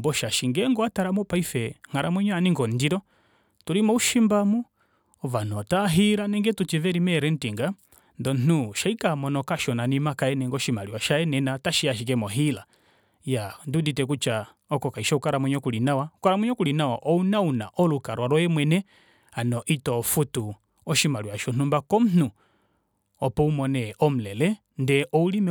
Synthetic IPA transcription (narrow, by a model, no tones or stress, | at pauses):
mbɔʃaʃiŋɡɛŋɡɔataɾamɔpaifɛŋ̥aɾamwɛɲɔaniŋɡɔndiɾɔ | tuɾimɔuʃimbamu | ɔvanɔtaɦiɾanɛŋɡɛtut͡ʃivɛɾimɛɾɛn̩tiŋɡa | ndɔn̩nuʃaikamɔnɔkaʃɔnanimakaɛnɛŋɡɔʃimaliwaʃaɛnɛnataʃiaʃ̬ik̬ɛmɔɦila | janduditɛk̬ut͡ʃa | ɔkɔkaiʃɔukaɾamɛɲɔkulinawaukaɾamwɛɲɔkulinawaʔɔunauna̰ʔɔlukaɾwaɾɔjɛmwɛnɛ | anɔʔitɔfutu | ɔʃimaliwaʃɔn̥umbakɔm̩n̥u | ɔpɔumɔnɛʔɔm̩lɛlɛ | ndɛʔɔulimɛ